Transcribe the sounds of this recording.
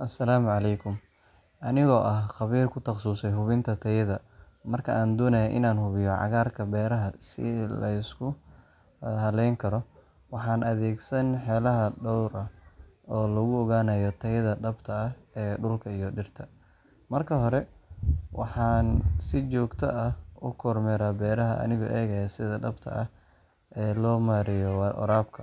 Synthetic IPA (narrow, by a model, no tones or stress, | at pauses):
ʔɐsɐlaːmʕɑlɛjkʰʊm | ʔɐnɪɣɔːʔɐhqɑβiːrkʰʊt̪ʰɑqsuːsɛjɦʊβɪnt̪ʰɐt̪ʰɐjɐðɐ | mɐrkʰɐʔaːnd̪ɔːnɐjɛʔɪ̰naːnhʊβɪjɔʕɑ̰ɣaːrkʰɐbɛːɾɐɦɐsɪ̰lɐ̰ɪskʰʊ | hɐlɛjŋkʰɐɾɔ | wɑħɑːnʔɐðɛːɡsɐnħɛːlɐɦɐɖɔwɾʔɐɔːlɐɣʊɔɣaːnɐjɔt̪ʰɐjɪðɐɖɐbt̪ʰɐɐɛːɖʊlkʰɐijɔɖɪrt̪ʰɐ | mɐrkʰɐɦɔɾɛ | wɑ̰ħɑːnsɪt͡ʃɔːɡt̪ʰɐ̰ɐʔʊkʰɔrmɛɾaːbɛːɾɐɦɐʔɐ̰nɪɣɔ̰ʔɛːɣɐjɐsɪðɐɖɐbt̪ʰɐ̰ʔɐh | ʔɛːlɔːmaːɾɪjɔʔɔ̰ɾaːbkʰɐ